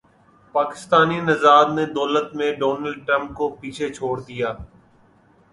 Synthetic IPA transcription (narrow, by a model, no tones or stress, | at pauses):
paːkɪ̥st̪aːninɪzaːd̪neːd̪ɔːlət̪mẽːɖoːnəlɖ̚ʈɾə̃mp̚koːpiːt͡ʃʰet͡ʃʰoːɽd̪ɪjaː